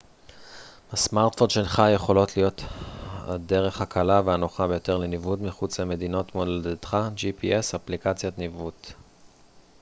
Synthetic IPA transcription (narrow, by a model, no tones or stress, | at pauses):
hasmaʁtfonʃelχaje̞χo̞lo̞tlijo̞t̪a̰de̞ʁe̞χhakʰalaveanoχabe̞jo̞t̪e̞ʁlenivudmiχut͡slame̞d̪ino̞tmoledet̪χad͡ʒipiʔesaplikat͡sjat̪nivut̪